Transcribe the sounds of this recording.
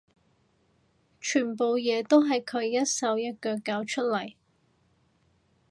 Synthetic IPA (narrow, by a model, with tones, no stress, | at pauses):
t͡ʃʰyː˨˩npo˨wjɛː˨˧t̪o˥wɦɐ˨jkʰɵ˨˧ɥjɐ˥t̚sɐ˨˧wjɐ˥t̚kœː˨˧kːaː˧wt͡ʃʰɵ˥t̚lɐ˨˩j